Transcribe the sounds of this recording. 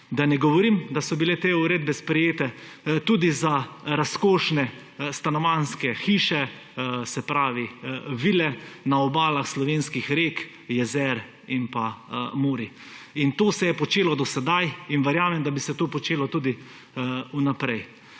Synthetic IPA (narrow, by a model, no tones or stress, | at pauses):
d̪anɛɡɔʋɔɾimd̪asɔbilet̪eːuɾeːd̪̚bɛspɾɛjeːt̪ɛ | t̪uːd̪izaɾaskoːʃnɛ | st̪anɔʋanskɛxiːʃɛ | sɛpɾaːʋiʋiːlɛnaɔbaːlaxslɔʋeːnskixɾeːk | jɛzɛɾ | inpamoːɾi | int̪oːsɛjɛpɔt͡ʃeːlɔd̪ɔsɛd̪ajinʋɛɾjaːmɛmd̪abisɛt̪oːpɔt͡ʃeːlɔt̪uːd̪i | unapɾɛj